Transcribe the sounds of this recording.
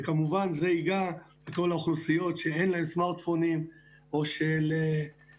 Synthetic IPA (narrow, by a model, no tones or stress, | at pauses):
kamuvanzeiɡaleko̞laoχnusijo̞tʃeenlaɦe̞msmaʁt̪fonim | o̞ʃele